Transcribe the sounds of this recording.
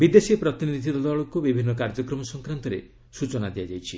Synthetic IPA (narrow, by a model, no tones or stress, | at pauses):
bid̪esipɾɔt̪inid̪ʱid̪ɔd̪aɭɔkubibʱinːɔkaɾd͡ʒɔkɾɔmɔsɔŋkɾant̪ɔɾe | sut͡ʃɔnad̪iad͡ʒajt͡ʃʰi